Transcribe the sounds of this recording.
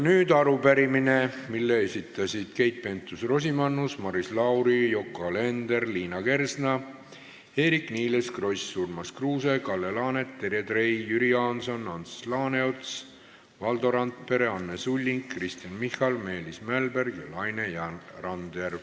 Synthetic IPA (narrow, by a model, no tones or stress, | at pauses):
nyːd̪ɑɾupæɾimine̞milːeesʲit̪ːˑɑsʲid̪̥ke̞jt̪̚pe̞nt̪ːˑusro̞s̬ʲimɑnːusmɑɾislɑwɾijo̞kːɑle̞nd̪erliːnɑke̞rsnɑ | he̞ːɾikniːle̞skro̞jsːurmɑskruːse̞kɑlːelɑːne̞t̪ːe̞ɾed̪re̞jjyɾiɑnso̞nːɑnslɑːneot̪s | vɑld̪o̞ɾɑnt̪̚pe̞ɾe̞ɑnːesulʲːiŋkkːrist̪ijɑnmihɑlme̞ːlismælbe̞rɡjɑlɑjnejɑrɑnd̪er